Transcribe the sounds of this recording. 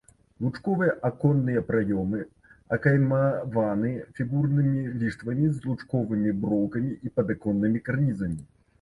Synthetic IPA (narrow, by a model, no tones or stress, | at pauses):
lˠut͡ʂkɔvɨjɐʔakɔnːɨjɐpɾajɔmɨ | ɐkajmɐvanɨfʲiɣurnɨmʲilʲiʂt̪vɐmʲizlˠut͡ʂkɔvɨmʲibɾɔwkɐmʲiʔipɐd̪akɔnːɨmʲikarnʲizɐmʲi